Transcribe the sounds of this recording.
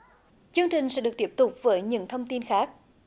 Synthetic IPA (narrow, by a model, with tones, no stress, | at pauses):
t͡ɕɨ˧əŋt͡ɕï˨˩ŋ̟sɛ̰˧˥ɗɨ˨˩k̚t̪i˦˥p̚t̪ʊ˨˩k͡p̚vəː˨˦jɲɨ̰˧˥ŋt̪ʰə˧wŋ͡mt̪i˧nxaː˦˥k̚